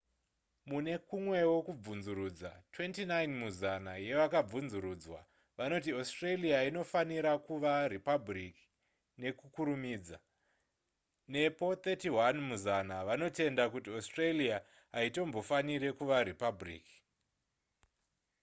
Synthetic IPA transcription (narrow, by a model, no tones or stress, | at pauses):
mune̞kumwe̞wo̞kub͡vunzuɾud͡za̰twe̞ntinainmuzanaje̞ʋakab͡vunzuɾuːd͡zwa | ʋano̞t̬iostreliaino̞faniɾakuʋaripabriki̥ | ne̞kukuɾumiːd͡za | ne̞po̞t̪etiwanmuzanaʋano̞te̞ndakutiostrelia | ɦaito̞mbo̞faniɾe̞kuʋaɾipabrḭːki̥